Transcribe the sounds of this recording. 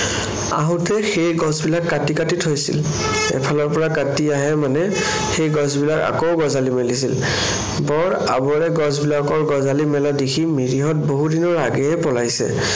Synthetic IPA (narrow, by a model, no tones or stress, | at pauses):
a̰ɦʊtʰɛxejɡɔ̃zbilakːatikatitʰɦojsḭl | ɛ̰pʰalɔɹpɔɹakatiaɦɛmanɛ | xejɡɔzbilaka̰kowɡɔzalimɛlis̬il | bɔɹ | a̰bɔɹɛɡɔzbilakɔɹɡɔzalimɛladekʰimiɹiɦɔt̚boɦudinɔɹaɡɛɛpɔlajsɛ̰